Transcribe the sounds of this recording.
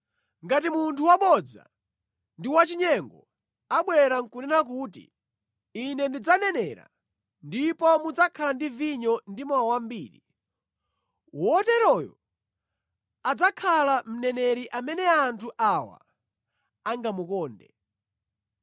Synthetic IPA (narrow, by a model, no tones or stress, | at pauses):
ŋɡat̬imuntʰuwaɓɔd͡za̰ | ndiwat͡ʃiɲɛŋɡɔ | aɓwɛɾaŋ̩kunɛnak̬uːtḭ | inɛndid͡zanɛnɛɾa̰ | ndipɔmud͡zakʰalandiviɲɔndimawawambiːɾi | wɔtɛɾɔjɔ̰ | ad͡zakʰalam̩nɛnɛɾiʔamɛnɛantʰuʔawa̰ | aŋɡamukɔːndɛ